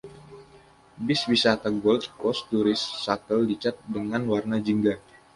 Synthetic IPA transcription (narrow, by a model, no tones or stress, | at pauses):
bɪswisat̪aɡɔld̪kɔst̪uɾɪsːat̪əldit͡ʃat̪̚dəŋanwarnad͡ʒiŋɡa